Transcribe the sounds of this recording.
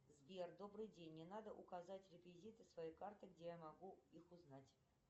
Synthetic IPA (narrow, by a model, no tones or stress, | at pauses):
zvʲerd̪o̞brɨjdʲenʲːɪnad̪əʔṵkazatʲrʲɪkvʲizʲit̪ɨsvɐjikart̪ɨɡdʲe̞jamaɡuixʊznatʲ